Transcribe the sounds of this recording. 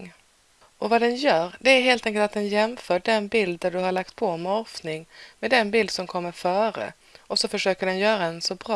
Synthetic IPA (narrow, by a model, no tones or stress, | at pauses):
ʔɔvad̪ɛnjœːɾɖɛæɾɦeːlt̪ʰɛŋkəlt̪at̪̚d̪ɛnjɛmfœːɖɛnbɪld̪ːæɖɵɦaɭak̚t̪pʰɔmɛɔɾfnɪŋmɛd̪ɛnbɪld̪sɔmkʰɔmːəɾfœːɾə̰ | ʔɔsɔfœʂøːkəɖɛnjœːɾaɛnsɔbɾɑː